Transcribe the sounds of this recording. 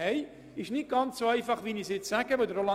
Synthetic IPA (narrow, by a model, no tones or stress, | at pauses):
ɛɪ | ɪʃnɪt̚ɡ̥ɑnt͡ssoɛɪfɑχʋiːnisjɛt͡ssæɡəʋodəɾolɑ